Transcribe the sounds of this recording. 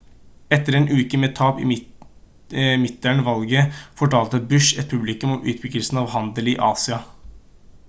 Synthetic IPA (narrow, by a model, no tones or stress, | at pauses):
ɛt̪ːəɾɛːnʉːkəmeːt̪ʰɑːpɪ̰ | mɪt̪̚d̪æɳəʋɑlɡəfɔʈɑːlt̪əbʉʂɛt̪̚pʰʉblɪkʉmɔʔʉ̰ːt̪̚bʏɡəlsn̩ɑʋhɑnd̪əliʔɑːsɪɑ